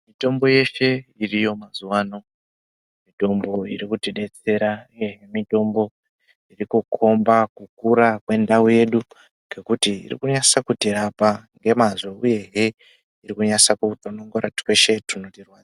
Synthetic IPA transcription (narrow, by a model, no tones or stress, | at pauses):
mito̞mbo̞je̞ʃe̞irijo̞mazuwaːno̞ | mito̞mbo̞irikutiɗe̞t͡se̞ɾauje̞ɦemito̞mbo̞ | irikukʰo̞mbakukuɾakwe̞ndauje̞ːɗu | ŋɡe̞kutiḭrḭkuɲasakutiɾapaŋɡe̞mazeuje̞ɦe̞ | irikuɲasakutonoŋɡoɾati̥weʃe̞tunotirwaːd͡z